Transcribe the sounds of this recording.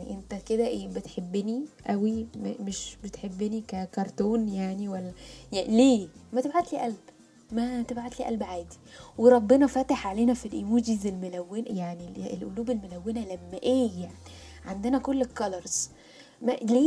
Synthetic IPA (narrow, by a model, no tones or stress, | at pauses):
ʔent̪æked̪æʔeːbet̪ħebːeniʔæwimemeʃbet̪ħebːenikækɑɾˤt̪oːnjaʕniwælːæjleːmæt̪ebʕat̪liːʔælb | mæt̪ebʕat̪liːʔæ̰lbʕaːd̪i̥weɾˤɑbːenɑfæːt̪eħʕaleːnæfilʔimuːd͡ʒizelmolæwːenjaʕnielʔo̰luːbelmolæwːenælæmːæʔeːjaʕni | ʕand̪enækolːekːɑlɑɾˤz̥ | mæleː